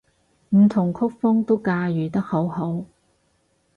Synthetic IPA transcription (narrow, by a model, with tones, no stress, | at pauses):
m̩˨˩t̪ʰʊ˨˩ŋkʰʊ˥k̚fʊ˥ŋt̪o˥wkaː˧jyː˨˩t̪ɐ˥k̚ho˨˥who˨˥w